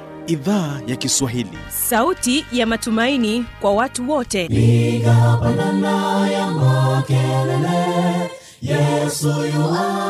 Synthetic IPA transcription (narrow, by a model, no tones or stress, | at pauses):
iðaːjakiswaɦilḭ | sautijamatumainikwawatuwɔtɛiɡapananajamakɛlɛlɛ | jɛsujɔ